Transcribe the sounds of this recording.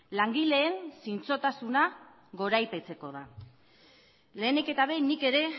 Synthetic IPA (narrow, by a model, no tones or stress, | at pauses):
laŋɡile̞ːnsint͡so̞t̪asuna | ɣo̞ɾajpe̞t͡se̞ko̞ð̞a | le̞ːneke̞t̪aβejnike̞ɾe̞